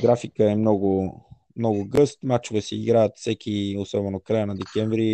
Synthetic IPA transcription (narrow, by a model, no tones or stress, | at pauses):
ɡɾafikəɛmnɔɡʊ | mnɔɡʊɡɤst̪mat͡ʃʊvɛsɛiɡɾajət̪fsɛkʲiosɔbɛnokɾajənɐd̪ɛkʲɛɱvɾi